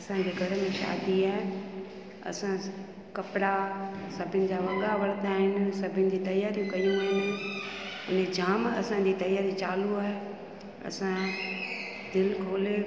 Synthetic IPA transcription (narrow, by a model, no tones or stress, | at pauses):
ɐsãɲd͡ʑeːɡʱɐɾəmẽʃa̰ːd̪iaːɦe | ɐ̰sã | kɐpɽasɐbʱɪnɪ̆d͡ʑaːʋɐɠaʋɐɾət̪aːɦɪnɪ̆sɐbʱɪnɪ̆d͡ʑiːt̪ɐjaːɾijũkɐijũaːɦɪnɪ̆ | ʊned͡ʑaːmɐ̰sãd͡ʑiːt̪ɐjaːɾit͡ɕaːluaːɦe | ɐ̰sã | d̪ɪlkʰoːle